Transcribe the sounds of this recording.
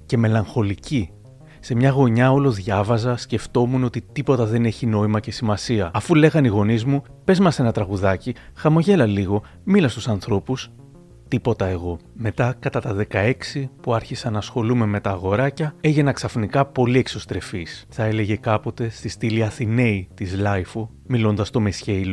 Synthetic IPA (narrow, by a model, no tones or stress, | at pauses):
ce̞me̞lɐŋxo̞lici | se̞mɲɐɣo̞ɲɐo̞lo̞ðʝɐvɐzɐsce̞ft̪o̞muno̞t̪it̪ipo̞t̪ɐðe̞ne̞çino̞imɐce̞simɐsiɐɐfule̞ɣɐniɣo̞nizmu | pe̞zmɐse̞nɐt̪ɾɐɣuðɐcixɐmo̞ʝe̞lɐliɣo̞ | milɐst̪usɐnθɾo̞pus | t̪ipo̞t̪ɐe̞ɣo̞me̞t̪ɐkɐt̪ɐt̪ɐðe̞kɐe̞ksipuɐɾçisɐnɐsxo̞lume̞me̞t̪ɐːɣo̞ɾɐcɐe̞ʝe̞nɐksɐfnikɐpo̞lie̞kso̞st̪ɾe̞fisθɐe̞le̞ʝe̞kɐpo̞t̪e̞st̪ist̪iliɐθine̞it̪izlɐjfo | milo̞nd̪ɐst̪o̞me̞sçe̞ilo